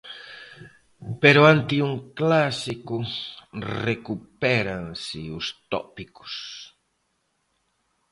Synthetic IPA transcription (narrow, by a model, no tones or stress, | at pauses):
peɾʊãnt̪ɪuŋklasikʊ | rekupɛɾaŋsɪʊst̪ɔ̰pikʊ̥s